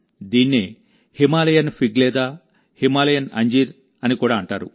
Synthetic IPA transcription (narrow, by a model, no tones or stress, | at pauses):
d̪iːnːe | himaːlɐjɐnpʰiɡlɛːd̪aː | himaːlɐjɐnɐ̰ɲd͡ʒiːɾ | ɐnikuːɽaːɐɳʈaːɾṵ